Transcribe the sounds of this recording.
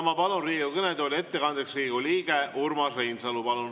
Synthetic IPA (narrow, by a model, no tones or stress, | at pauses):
mɑpɑlunriːɡukɤned̪olʲie̞t̪ːe̞kɑnd̪eksriːɡuliːɡ̥e̞ʔurmɑsrejnsɑlupɑlun